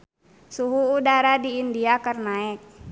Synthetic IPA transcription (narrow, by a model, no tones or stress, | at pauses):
suɦuudaɾadiːndiakərnaɛk̚